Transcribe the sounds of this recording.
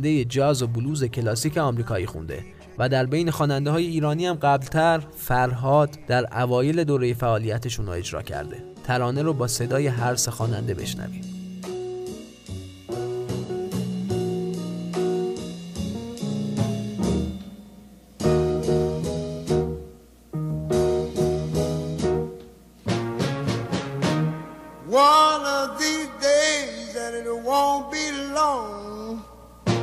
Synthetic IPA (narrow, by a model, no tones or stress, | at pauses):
nd̪ejed͡ʒɒːzobuluːze̞cʰe̞lɒːsiːcʰe̞ɒmɾiːkʰɒːjiːxṵnd̪e̞̰ | væd̪æɾbejne̞xɒːnænd̪eɦɒːje̞iːɾɒːniːhæmɢæblt̪ʰæɾ | fæɾɦɒːd̪d̪̥æɾævɒːje̞le̞d̪oːɾe̞jefæʔɒːlijæt̪ʰeʃuno̰e̞d͡ʒɾɒ̰ːcʰæ̰ɾd̪e̞̰ | t̪ʰæɾɒːneɾobɒːse̞d̪ɒːje̞ɦæɾse̞xɒːnæ̰nd̪e̞be̞̰ʃnæ̰vḭːm̥ | wʌnʌvðideɪzðæɾɪtwõʊ̃n̚b̥ilɔŋ